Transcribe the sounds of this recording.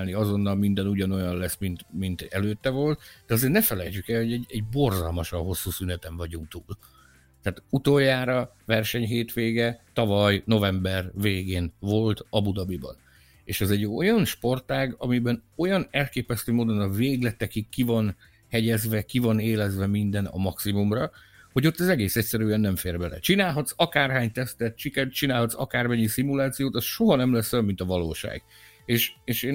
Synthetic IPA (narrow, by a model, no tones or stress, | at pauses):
lniɒzo̞nːɒlmind̪ɛnuɟɒno̞jɒnlɛsmint̪mint̪ɛ̰løːt̪ːɛvo̞lt̪d̪ɛɒzeːɾrnɛfɛlɛjt͡ʃykɛlho̞ɟɛɟɛɟ̚bo̞rzɒlmɒʃɒnɦo̞sːuːsynɛt̪ɛɱvɒɟuŋk̚t̪uːl | t̪aːt̪ut̪oːjːaːɾɒ | vɛrʃɛɲɦeːt̪ʋeːɡɛt̪ɒvɒjno̞vɛmbɛrveːɡeːnvo̞lt̪ɒbud̪ɒbibɒ̰n | ḛːʃɛzɛɟo̞̰jɒnʃpo̞rt̪aːɡɒmibɛno̞jɒnɛlkeːpɛst̪øːmoːd̪o̞nɒveːɡlɛt̪ːɛkikːivɒn | hɛɟɛzvɛkivɒneːlɛzvɛmind̪ɛnɒ̰mɒksimumrɒho̞ɟo̞t̪ːɛzɛɡeːsɛcsɛɾyɛnːɛɱfeːrbɛlɛ̰t͡ʃinaːlɦɒt̪sɒkaːrɦaːɲt̪ɛst̪ɛt̪̚t͡ʃikɛt͡ʃinaːlhɒt̪sɒ̰kaːrmɛɲːisimulaːt̪sijoːt̪ɒsʃo̞ɦɒnɛmlɛsːɛlmint̪ɒvɒloːʃa̰ːɡ̥ | eːʃeːʃeːn